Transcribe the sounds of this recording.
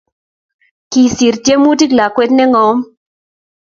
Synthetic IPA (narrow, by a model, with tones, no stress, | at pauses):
ki˨si˨ɾtje˦mu˦ti˦ɡla˨kwɛ˦tnɛ˦ŋɔ˨˦m